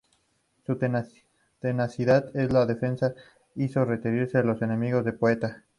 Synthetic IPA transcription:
sut̪e | t̪enasiðaðe̞zlaðe̞fe̞nsa | iso̞re̞t̪eɾiɾse̞alo̞se̞nẽ̞miɣo̞zðepoet̪a

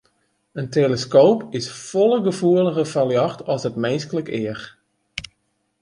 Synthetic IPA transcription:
əntʰeləskoːpɪsfɔlˠəɡəfuələɣəfaljɑxtʰɔsətmenskələkɪəx

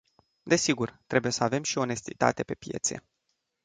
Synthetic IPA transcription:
d̪e̞siɡurt̪ɾe̞buje̞səave̞mʃio̞ne̞st̪it̪a̰t̪e̞pe̞pje̞̰t̪se̞̰

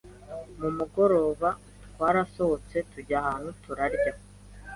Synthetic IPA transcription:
mumuɡo̞ɾo̞ːβa | tkwaːɾaso̞hot͡se̞tuɟahaːn̥hutuɾaɾɟa

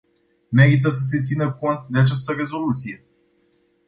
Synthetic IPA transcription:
me̞ɾit̪̬əs̬əs̬e̞t̪sinəko̞nt̪̚d̪eat͡ʃast̪əɾe̞zo̞lut̪sije̞

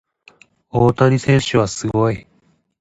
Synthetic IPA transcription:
oːt̪aɲ̟isẽ̞ɰ̃ɕɨβ̞asɨɡo̞i

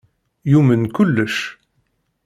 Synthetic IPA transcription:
jumənkʊlːəʃ

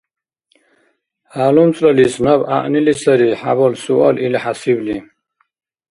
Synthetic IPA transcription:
halumt͡sʼlalisnaba̰ʔnilisaɾiħabɔlsuʔɔlilħasibli

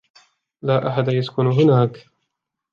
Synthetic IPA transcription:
laːʔaħad̪ajaskʊnɦʊnaːk

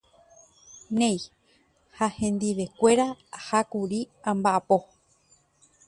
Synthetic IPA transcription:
nẽj | hahẽ̞nd̪iʋe̞kʷe̞ɾahakuɾi | ãmbaʔapo̞

